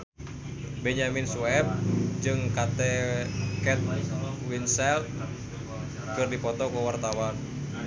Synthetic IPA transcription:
bɛɲamɪnsuwɛp̚d͡ʒɨŋkat̪ɛkɛt̪̚winsɛlt̪̚ | kɨrdipɔt̪ɔkəwart̪awan

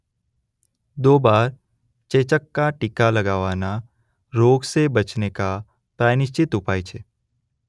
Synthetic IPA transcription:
d̪oːbaːɾ | t͡ʃeːt͡ʃəkːaʈɪkaləɡaʋana | ɾoːɡsebət͡ʃneka | pɾanɪʃt͡ʃɪt̪ʊpaːit͡ʃʰe

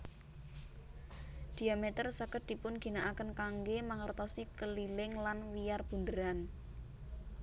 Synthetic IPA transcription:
d̪̥i̤amet̪ərsakət̪̚d̪̥i̤pʊnɡ̥i̤naʔakənkaŋɡemaŋərt̪ɔsikəlilɪŋlanwijarb̥ṳndəɾan

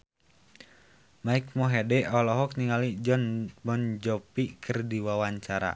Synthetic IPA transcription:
maik̚mɔɦɛdɛʔɔlɔɦɔk̚niŋalid͡ʒɔnbɔnd͡ʒɔpikʰɨrdiwawaɲt͡ʃaɾa̰

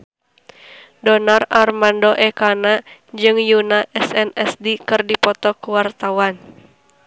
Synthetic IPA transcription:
dɔnararmandɔʔɛkanad͡ʒɨŋjunaʔɛsɛnɛsdikɨrdipɔt̪ɔkuwart̪awan

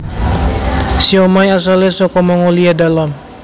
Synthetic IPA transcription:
siomajas̬alesɔkɔmaŋoliadalam

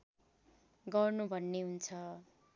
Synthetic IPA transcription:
ɡʌrnubʱʌnːeɦunt͡sʰʌ

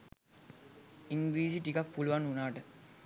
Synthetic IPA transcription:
iŋɡɾiːs̬iʈikak̚puluʋanunaːʈə

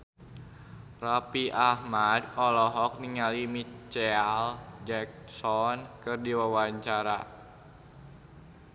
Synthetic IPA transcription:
rapiʔahmadɔlɔɦɔk̚niŋalimit͡ʃɛald͡ʒɛk̚sɔnkɨrdiwawaɲt͡ʃaɾa

